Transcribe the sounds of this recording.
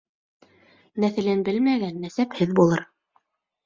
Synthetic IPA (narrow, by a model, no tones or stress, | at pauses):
næθɘ̆lɘnbɘlmæɡænːæsæphɘðbulˠɤɾ